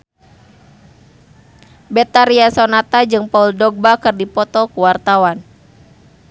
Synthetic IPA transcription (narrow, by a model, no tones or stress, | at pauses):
bɛt̪aɾiasɔnat̪ad͡ʒɨŋpauldɔɡ̚bakɨrdipɔt̪ɔkuwart̪awan